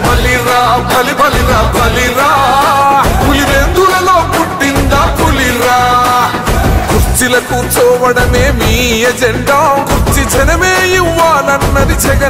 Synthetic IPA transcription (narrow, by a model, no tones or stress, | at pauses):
bɐliɾaːbʱɐlibʱɐliɾaːbʱɐliɾaː | puliɾeːd̪uːlɐloːkuʈːind̪aːpuliɾaː | kuɾt͡ʃilɐkut͡ʃɔːʋɐɽɐmeːmiːed͡ʒɛɳɖaːkuɾt͡ʃit͡ʃɛnɐmeːjiʋːaːlɐnːɐd̪it͡ʃɛɡɐ